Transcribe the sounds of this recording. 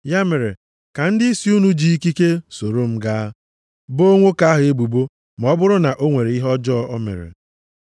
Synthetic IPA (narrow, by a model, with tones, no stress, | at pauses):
ja˦me˨ɾe˨ | ka˨n̩˦dɪ˦i˦si˦u˦nu˦d͡ʒi˦i˦ki˦ke˦so˨ɾo˦m̩˦ɡaː˦ | bo˦ŋʷo˦ka˦a˦ɦʊ˨e˦bu˨bo˦ | m˨ɔ˦bʊ˦ɾʊ˦na˨ʔo˦ŋʷe˨ɾe˨˦i˦ɦɔ˦d͡ʒɔ˦ʔɔ˦mḛ˨ɾḛ˨